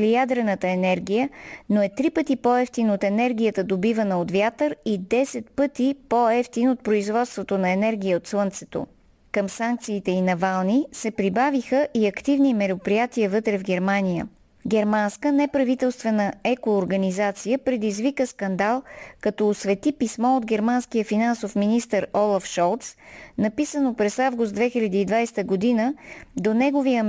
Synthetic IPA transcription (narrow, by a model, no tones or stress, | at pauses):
lijad̪ɾɛnət̪əɛnɛɾɡ̟ʲijənoɛt̪ɾipət̪ipoɛft̪inot̪ɛnɛɾɡʲijət̪əd̪obivənəot̪vjat̪əɾid̪ɛsɛt̪̚pɤt̪ipoɛft̪inot̪̚pɾoizvɔt̪st̪vot̪onɐɛnɛɾɡ̟ʲiəot̪slˠənt̪sɛ̥t̪o̰ | kəmsaŋk̚t̪siːt̪ɛinɐvalˠnisɛpɾibavixəʔiɐkt̪ivnimɛɾopɾijat̪iəvɤt̪ɾɛvɡʲɛɾmanijə̰ | ɡɛɾmanskənɛpɾɐvit̪ɛlˠst̪vɛnəɛkoːɾɡɐnizat̪sijəpɾɛd̪izvikəskɐnd̪alˠkɐt̪ɔːsvɛt̪ipismɔod̪ɡɛɾmanskijəfinansofminist̪əɾɔlˠafʃɔlˠt̪snɐpisənopɾɛsavɡʊst̪d̪vɛxiʎʲɐd̪iːd̪vajst̪əɡod̪inəd̪onɛɡovijə